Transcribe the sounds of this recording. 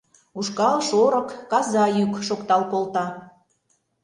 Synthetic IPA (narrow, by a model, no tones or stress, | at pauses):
uʃkɑlʃoɾɤ̆kːɑzɑjykʃokt̪ɑlkolt̪ɑ